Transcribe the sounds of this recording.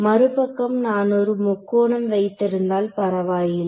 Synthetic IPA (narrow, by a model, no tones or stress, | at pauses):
mɐɾɯpɐkːɐmnaːnɔɾɯmʊkːoːɳɐmʋɐɪt̪ːɪɾɯnd̪aːlpɐɾɐʋaːjɪl